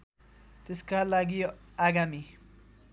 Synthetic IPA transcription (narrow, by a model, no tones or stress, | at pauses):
t̪eskalaɡiaɡami